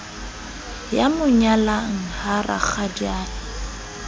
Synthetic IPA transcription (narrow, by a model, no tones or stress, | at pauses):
jamʊɲalaŋ̩hara̰k͡xadaːlɪ